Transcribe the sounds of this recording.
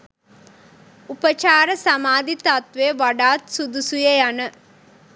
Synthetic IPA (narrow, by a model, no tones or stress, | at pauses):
upɐt͡ʃaːɾɐsɐmaːd̪it̪at̪ʋeʋɐɖaːt̪sud̪usujejɐnɨ